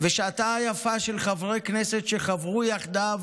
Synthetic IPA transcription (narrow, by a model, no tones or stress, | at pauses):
veʃat̪aajafaʃelχavʁekneset̪ʃeχavʁujaχd̪av